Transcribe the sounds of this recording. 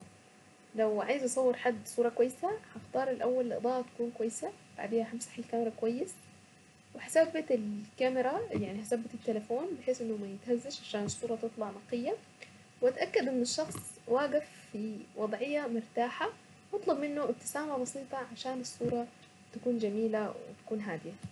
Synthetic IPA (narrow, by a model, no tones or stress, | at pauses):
lawʕaːjɪzʔɑsˤɑwːeɾħad̪ːsˤuːɾˤɑkwajːɪsahɑxt̪ɑːɾˤɪlʔawːalːʔɑ̰d̪ˤɑːʔt̪ḁkuːnkwajːsa | b̥a̰ʕd̪iːhaħamsḁħɪlkamɪɾˤɑkwajːɪs | wɪħasabɪt̪ɪlkamɪɾˤajaʕniɦasabːɪt̪ɪt̪ːelɪfoːnbɪħeːsʔɪnːʊmajɪt̪hazːaʃʕaʃaːnɪsˤːuːɾˤɑt̪ɨt̪ˤlɑʕnɑqɪjːa | wʔat̪ʔakːad̪ʔɪnːɪʃːɑxsˤ | waːɡɪfːiwɑd̪ˤʕɪjːamʊɾt̪aːħa | ʔɑt̪ˤlɑbmɪnːʊʔɪt̪ːɪ̥saːmabɑsiːt̪ˤɑʕaʃaːnɪsˤːuːɾˤɑ | t̪akuːnd͡ʒamiːlawɪ̰t̪ḁkuːnɦaːd̪ɪja